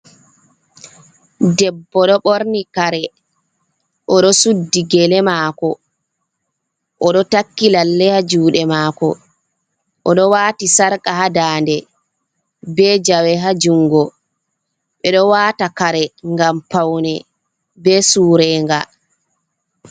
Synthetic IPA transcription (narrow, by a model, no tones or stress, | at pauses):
dɛbːɔɗɔɓoɾnikaɾɛ | ʔɔɗɔsudːiɡɛlɛmaːkɔ | ʔɔɗɔtakːilalːɛhad͡ʒuːɗɛmaːkɔ̰ | ʔɔɗɔwaːtisaɾkʼaɦadaːndɛ | bɛd͡ʒawɛɦad͡ʒuŋɡɔ | ɓɛɗɔwaːtakaɾɛŋɡampawnɛ | bɛsuːɾɛŋɡa